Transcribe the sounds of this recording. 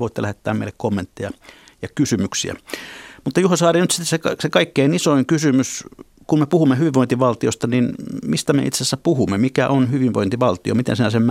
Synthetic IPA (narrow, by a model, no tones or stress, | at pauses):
oˑit̪ːelæhet̪ːæ̰ːmmḛilekomːent̪ːejɑ | jɑkysymyksḭæ̰mut̪ːɑjuhɑsɑːrinyt̪si̥t̪ːesekɑsekɑikːeinisoiŋkysymys | kumepuhumːehyʋiʋoˑint̪iʋɑlt̪iost̪ɑninmist̪æmḛḭt̪sesːæpuhumːemikæ̰ʔonhyʋiʋʋo̰int̪iʋɑlt̪io̰mit̪ḛnsinæsem